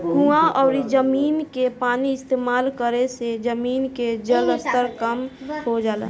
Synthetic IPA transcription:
ɡʱuãʔɔːɾid͡ʒəmiːnkepaːniɪst̪eːmaːlkəɾesed͡ʒəmiːnked͡ʒələst̪əɾkəmhod͡ʒaːlḛ

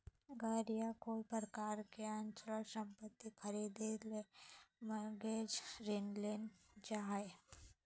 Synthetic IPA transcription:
ɡəɾijakoipɾəkaɾkeant͡ʃləsə̃mpət̪ːikʰəɾid̪eleməɡed͡ʒɾenlent͡ʃae

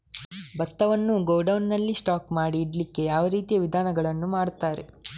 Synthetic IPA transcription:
bɐt̪ːɐʋɐnːuɡoːɖɐwnːɐlːisʈaːkmaːɽiːɽlikːe̞jaːʋɐɾiːt̪ijɐʋid̪ʱaːnɐɡɐɭɐnːumaːɽt̪aːɾe̞

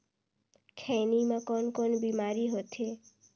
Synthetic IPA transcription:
kʰenimãkɔnkɔnbimaɾiɦot̪ʰe

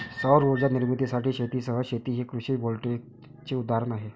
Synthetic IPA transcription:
səwɾuɾd͡ʑaniɾmit̪isaʈʰiːɕet̪iːsəɦəɕet̪iːɦikɾuɕiːbʱolʈe | t͡ɕeud̪aɾənaɦe

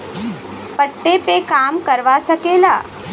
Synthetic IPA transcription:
pəʈːepekaːmkɐɾʋasɐkeːlaː

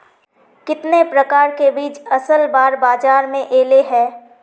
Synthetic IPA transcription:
kɪt̪nepɾɐkaːɾkebiːt͡ʃɐsəlbaːɾbaːd͡ʒaːɾmẽʔeːleɦɛː

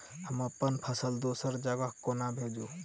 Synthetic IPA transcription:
həməpːənpʰəsəld̪osəɾd͡ʒaɡakːonabʱed͡ʒu

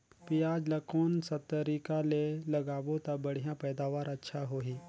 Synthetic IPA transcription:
pijad͡ʒlakonsət̪ːəɾikaleləɡaʋot̪abəɽ̤jãpəjd̪aʋaɾətːʃʰaɦoɦi

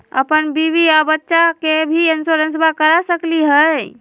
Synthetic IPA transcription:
ə̰pənbiβiabətːʃakebʱiensoɾənsbakəɾasəkliɦə

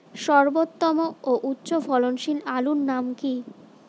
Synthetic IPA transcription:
ʃɔɾbot̪ːɔmooʔutːɕofɔlonʃilalunːamki

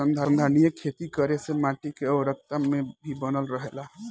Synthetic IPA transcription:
ənd̪ʱand̪ʱanijəkʰet̪ikəɾesemaʈikeɔɾək̚t̪amẽbʱibənəlɾəɦela

